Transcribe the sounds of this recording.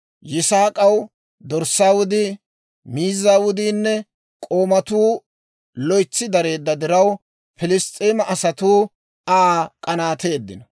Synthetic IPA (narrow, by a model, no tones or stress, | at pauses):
jɪsaːkʼɐw | d̪ɔɾsːaːwʊd̪ɪ | miːzːaːwʊd̪iːnːɛ | kʼoːmɐt̪uː | lɔjt͡sːɪd̪ɐɾe̞ːd̪ːɐd̪ɪɾɐw | pɪlɪst̪ʼːeːmɐʔɐsɐt̪uː | aːkʼɐnaːt̪e̞ːd̪ːɪnɐ